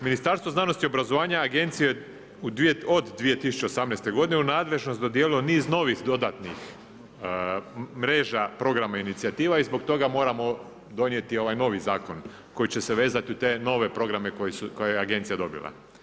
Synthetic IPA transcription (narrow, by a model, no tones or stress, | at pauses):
minist̪aɾst̪ʋoznano̞st̪iobɾazo̞ʋaːɲaːɡe̞nt̪sije | ud̪od̪d̪ʋije̞t̪isu̥t͡ɕe̞osamnest̪e̞ɡo̞d̪ineunaːd̪le̞ʒno̞st̪d̪o̞d̪jeliloniːzno̞ːʋixd̪o̞d̪at̪nix | mɾe̞ːʒapɾo̞ɡɾamainit̪siat̪iːʋaizbo̞k̚t̪o̞ɡamo̞ːɾamo̞ | d̪o̞njet̪io̞ʋajno̞ːʋizaːkon | ko̞jit͡ɕe̞seʋe̞ːzat̪iut̪e̞ːno̞ːʋe̞pɾo̞ɡɾame̞kojisukojajeaɡe̞nt̪sijad̪o̞bḭlˠa̰